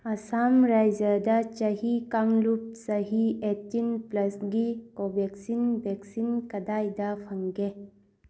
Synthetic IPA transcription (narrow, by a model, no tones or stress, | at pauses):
ɐsamɾajd͡ʒɐdɐt͡ʃɐɦikaŋlup̚sɐɦietːinplɐsɡikobek̚sinbʱek̚sinkɐdajdɐpʰɐŋɡe